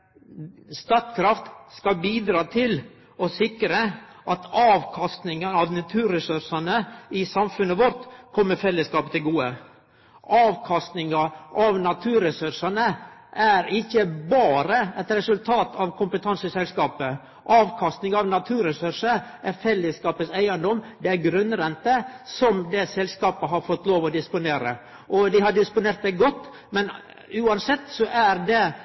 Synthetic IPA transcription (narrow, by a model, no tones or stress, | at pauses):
st̪ɑt̪kʰɾɑft̪skɑbiːd̪ɾɑːt̪ʰɪl | ɔsɪkɾəʔɑt̪ʰɑːʋkʰɑst̪nɪŋənɑʋnɑt̪ʰʉːɾɛsʉɾʂɑnəɪsɑmfʉnəʋɔɾt̪kʰɔmːəɾfɛlːəskɑːpət̪ʰɪlɡuːə | ʔɑːʋkʰɑst̪nɪŋɑʔɑʋnɑt̪ʰʉːɾɛsʉʂɑnəʔæɾɪçːəbɑːɾəɛt̪ɾɛsʉlt̪ʰɑːt̪ʰɑʋkʰʊmpət̪ʰɑnsəsɛlskɑːpə | ʔɑːʋkʰɑst̪nɪŋɑɑʋnɑt̪ʰʉːɾɛsʉɾʂəɾʔæɾfɛlːəskɑːpət̪sæɪənd̪ɔmd̪ɛæɾɡɾʉnɾɛnt̪əsɔmd̪ɛsɛlskɑːpəɦɑɾfɔt̪ːloːʋɔd̪ɪspʊneːɾə̰ | ʔɔd̪ɪhɑɖɪspʊneːɾt̪̚d̪ɛɡɔt̪ː | mɛn | ʉːɑnsɛt̪ːsɔʔæɾd̪ɛ